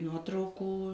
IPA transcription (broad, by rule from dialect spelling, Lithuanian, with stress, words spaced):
ˈnuɔtrɐʊkuː